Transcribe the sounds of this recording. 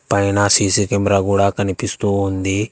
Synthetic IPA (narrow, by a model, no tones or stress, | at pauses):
painasisikemɾaɡuɽaːkɐnipist̪uond̪i